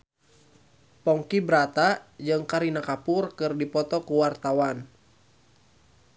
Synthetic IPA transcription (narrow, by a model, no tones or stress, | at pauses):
pɔŋkibɾat̪ad͡ʒɨŋkaɾinakapurkɨrdipɔt̪ɔkuwart̪awan